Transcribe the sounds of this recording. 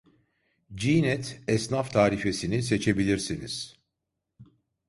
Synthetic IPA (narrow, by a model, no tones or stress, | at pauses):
d͡ʒinɛt̪ɛsnaft̪ʰaːɾife̞sinis̬e̞t͡ʃʰe̞bilʲiɾsiniz̥